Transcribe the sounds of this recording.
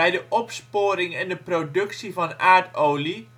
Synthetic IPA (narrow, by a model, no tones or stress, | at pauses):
ɛjdəʔɔpspoːɾɪŋɛndəprodɵksivɑnʔaːɹtowli